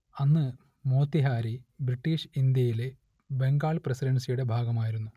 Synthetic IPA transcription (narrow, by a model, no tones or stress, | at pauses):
ɐnːɨ | mo̞ːt̪ːiɦaːɾibriʈːiːʂind̪jɐjile | be̞ŋɡaːɭprɐsiɾɐnsijuɽe̞bʱaːɡɐmaːjiɾunːu